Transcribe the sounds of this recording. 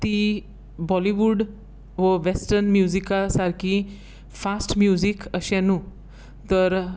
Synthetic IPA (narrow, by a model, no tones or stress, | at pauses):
t̪i | bɔliʋuɖ | ʋəʋesʈəɾnmjuzikasaɾkʰi | fasʈmjuzikəɕɛ̃nũ | t̪əɾ